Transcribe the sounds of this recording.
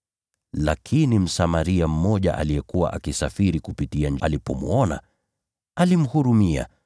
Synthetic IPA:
lakʰinim̩samaɾiam̩mɔʄa̰ʔa̰liɛkuwa̰ʔakisafiɾikupitiaɲalipɔmṵɔna̰ | alim̩huɾumia̰

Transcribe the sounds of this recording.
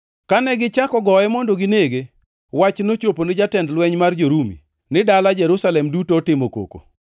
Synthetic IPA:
kanɛɡɪt͡ʃakɔɡɔjɛmondoɡɪneɡe | wat͡ʃnot͡ʃoponɪd͡ʒatɛndlwɛɲmard͡ʒoɾumḭ | nɪdalad͡ʒɛɾusalɛmdutoːtɪmoko̰ko̰

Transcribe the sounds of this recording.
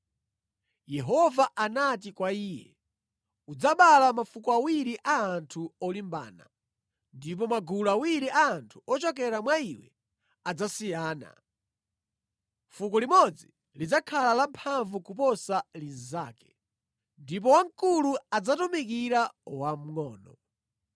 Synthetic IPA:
jɛɦɔvaʔanat̬ikwaiːjɛ̰ | ud͡zaɓalamafukɔawiɾiʔaːntʰuɔlimba̰ːna̰ | ndip̬ɔmaɡulawiɾiʔaːntʰu̥ɔt͡ʃɔk̬ɛɾamwaiwɛ̰ | ad͡zasijaːna̰ | fuk̬ɔlimɔd͡zi | lid͡zakʰalalampʰaɱvukupɔsaliza̰ːkɛ̥ | ndip̬ɔwaŋkuluad͡zatɔmik̬iɾawam̩ŋɔːnɔ

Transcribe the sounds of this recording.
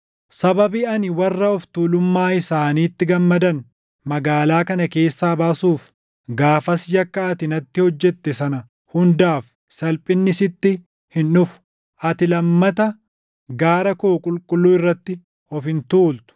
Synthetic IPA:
sɐbɐbiɐnɪwɐrːɐɔft̪uːlʊmːaːɪsaːniːt̪ːɪɡɐmːɐd̪ɐn | mɐɡaːlaːkɐnɐke̞ːsːaːbaːsuːf | ɡaːfɐsjɐkːɐːt̪ɪnɐt̪ːɪhɔd͡ʒːɛt̪ːɛsɐnɐ | hʊnd̪aːf | sɐlpʼɪnːɪsɪt̪ːɪ | hɪnʊfʊ̥ | ʔɐt̪ɪlɐmːɐt̪ɐ | ɡaːɾɐkoːkʼʊlkʼʊlːuːɪrːɐt̪ːɪ | ɔfɪnt̪uːlt̪ʊ̥

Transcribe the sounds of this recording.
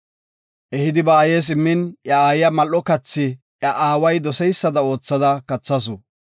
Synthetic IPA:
ʔɛhɪd̪ɪbɐːje̞ːs̬ɪmːɪnjɐaːjɪjɐmɐlːɔkɐt͡sːɪ | ʔjɐʔaːwɐjd̪ɔsɛjsːɐd̪ɐo̞ːt͡sːɐd̪ɐkɐt͡sːɐs̬ʊ

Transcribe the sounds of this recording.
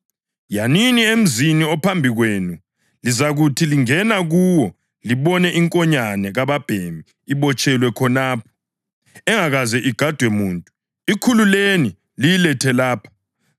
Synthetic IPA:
janiniem̩ziniɔpʰambʱiɣweːnu | lizaɣutʰiliŋɛnaɣuːwɔ | liβɔnɛʔiŋkʼɔɲanɛɣaβab̥ʱembʱiːβɔt͡ʃʼɛlwɛkʰɔnaːpʰɔ̥ | ɛŋaɣazɛʔiɡ̥ʱad̥ʱwɛmuːntʼu | ikʰululeni | lijilɛtʰɛlaːpʰḁ

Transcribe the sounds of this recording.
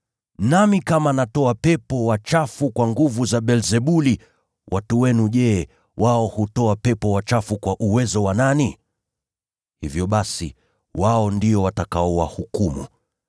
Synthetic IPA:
namikamanatɔapɛpɔwat͡ʃafukwaŋɡuvuzaɓɛlzɛɓuli | wʔatuwɛnuʄɛ | wʔaɔhutɔapɛpɔwat͡ʃafukwaʔuwɛzɔwanani | hivjɔɓasḭ | waɔndiɔwatakaɔwa̰hukumṵ

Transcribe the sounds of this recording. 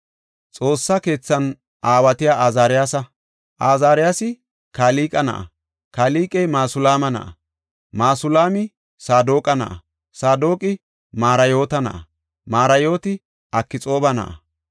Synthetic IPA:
t͡sʼo̞ːsːɐke̞ːt͡sːɐn | ʔaːwɐt̪ɪjaːʔaːzaːɾɪjaːsɐ | ʔaːzaːɾɪjaːsɪ | kaːliːkʼɐnɐ̰ʔɐ̰ | kaːliːkʼɛjmaːsʊlaːmɐnɐ̰ʔɐ̰ | maːsʊlaːmɪ | saːd̪oːkʼɐnɐ̰ʔɐ̰ | saːd̪oːkʼɪ | maːɾɐjo̞ːt̪ɐnɐ̰ʔɐ | maːɾɐjo̞ːt̪ɪ | ʔɐkːɪt͡sʼo̞ːbɐnɐ̰ʔɐ̰

